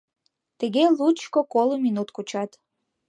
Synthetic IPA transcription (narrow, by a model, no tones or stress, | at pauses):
t̪eɣelut͡ʃkokoluminut̪kut͡ɕɑt̪